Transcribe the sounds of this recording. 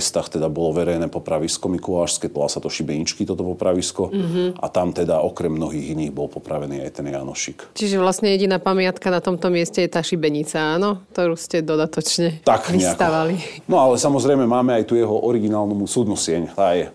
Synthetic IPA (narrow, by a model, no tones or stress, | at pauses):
st̪axt̪ɛd̪abɔlɔʋɛɾɛjnɛːpɔpɾaʋiskɔmikulaːʃskɛt̪ɔlˠaːsat̪ɔʃibɛɲit͡ʃkit̪ɔt̪ɔpɔpɾaʋiskɔɦ̩a̰t̪amt̪ɛd̪aɔkɾɛmːnɔɦiːɣiniːɣbɔlˠpɔpɾaʋɛniːa̰jt̪ɛnja̰nɔ̰ʃikt͡ʃiʒɛʋlasɲɛjɛɟinaːpamɪat̪kanat̪ɔmt̪ɔmɪɛscɛjɛt̪aːʃibɛɲit͡saaːnɔkkt̪ɔɾuːscɛd̪ɔd̪at̪ɔt͡ʃɲɛt̪akiɲɛak̪aʋalinɔalɛsamɔzɾɛjmɛmaːmɛajt̪ujɛɦɔʔɔɾiɡinaːlnɔmusud̪nusɪɛɲt̪aːjɛ